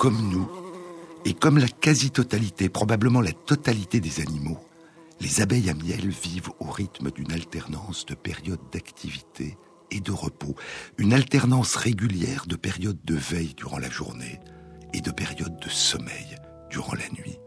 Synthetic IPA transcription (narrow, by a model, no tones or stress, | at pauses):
kɔmnu | ekɔmlakazit̪ɔt̪alit̪epχɔbabləmɑ̃lat̪ɔt̪alit̪ed̪ezanimo | lezabɛjamjɛlvivoʁit̪məd̪ynalt̪ɛʁnɑ̃sd̪əpɛʁjɔd̪d̪akt̪ʰivit̪ʰeː | d̪əʁəpoynalt̪ɛʁnɑ̃sʁeɡʲyljɛʁd̪əpɛʁjɔd̪̚ːəvɛjd̪yʁɑ̃la̰ʒṵʁneed̪əpɛʁjɔd̪̚ːəsɔmɛ̰j | d̪̥yʁɑ̰̃la̰nɥi